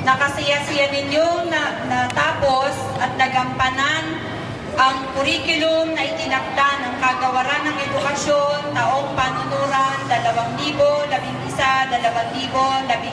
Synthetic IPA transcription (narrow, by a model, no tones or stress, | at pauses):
nɐkɐsɪjasɪjanɪɲjoŋnɐnɐt̪aːpo̞s | ʔɐt̪̚nɐɡɐmpɐnan | ʔɐŋpʊɾiːkʊlomnɐʔɪt̪ɪnɐk̚d̪anɐŋkaɡɐwɐɾanːɐŋɛd̪ʊkɐʃont̪ɐʔo̞ŋpanʊnuːɾand̪ɐlɐwaŋliːbolɐbɪŋɪsad̪ɐlɐwaŋliːbo̞lɐbɪ